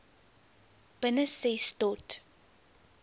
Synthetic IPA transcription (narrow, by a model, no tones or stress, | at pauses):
b̥ənəsɛstɔt